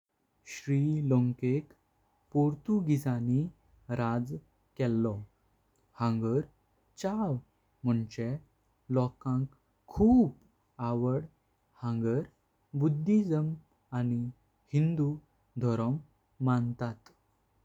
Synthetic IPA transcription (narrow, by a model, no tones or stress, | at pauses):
ɕɾiloŋkek | poɾt̪uɡid͡zani | ɾad͡z | kɛlːɔ | hãŋɡəɾ | t͡ɕaw | m̤əɳt͡ɕɛ | lɔkãŋkʰː | uːp | aʋəɽ | hãŋɡəɾ | bud̪ʱːid͡zəm | ani | hind̪u | d̪ʱɔɾəmː | ant̪at̪